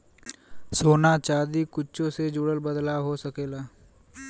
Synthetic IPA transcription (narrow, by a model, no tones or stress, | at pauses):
soːnat͡ʃaːd̪ikʊt͡ʃõsed͡ʒuɽəlbəd̪laɦosəkeːlaː